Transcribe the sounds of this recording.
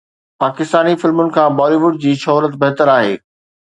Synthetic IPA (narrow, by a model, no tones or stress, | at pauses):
paːkɪst̪aːnifɪlmʊnɪ̆kʰãːbɔːliʋʊɖ̚d͡ʑiːʃɔɦɾət̪bɛɦt̪əɾaːɦḛː